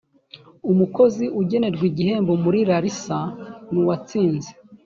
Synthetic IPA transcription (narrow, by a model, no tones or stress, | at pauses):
umuko̞ziʔuɟe̞ne̞ɾɡwiɟihe̞ːmbo̞muɾiɾaɾisanuwat͡siːnze